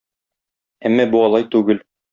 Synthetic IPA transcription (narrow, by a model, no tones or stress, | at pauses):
æmːæbuɒlˠɑjt̪ʉɡɘl